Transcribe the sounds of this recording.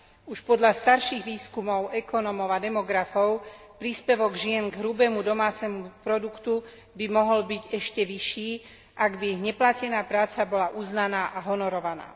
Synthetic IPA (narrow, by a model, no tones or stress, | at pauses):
uʃpɔd̪ʎast̪aɾʃiːɣʋiːskumɔʊɛkɔnɔmɔʊad̪ɛmɔɡɾafɔʊ | pɾiːspɛʋɔɡʒɪɛnɡɦɾubɛːmud̪ɔmaːt͡sɛmupɾɔd̪ukt̪u | bimɔɦɔlbiɟɛʃcɛʋiʃiː | ʔaɡbiiɣɲɛplacɛnaːpɾaːt͡sabɔlaʔuːznanaːʔaɦɔnɔɾɔʋana̰ː